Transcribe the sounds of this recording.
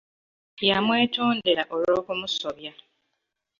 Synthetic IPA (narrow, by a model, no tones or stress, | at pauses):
jamwe̞ːtoːndeɾaʔo̞lo̞ːkumuso̞βja